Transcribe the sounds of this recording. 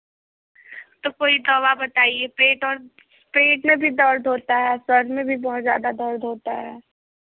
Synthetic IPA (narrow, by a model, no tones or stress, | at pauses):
t̪okoːid̪ɔːβabɐt̪aːiepeːʈɔːɾ | peːʈmẽbʱid̪ɔːɾd̪ʱoːt̪aɦɛːswɐɾɖmẽbʱibɔɦʊt̪zja̰ːd̪ad̪ɔːɾd̪ʱoːt̪a̰ɦɛː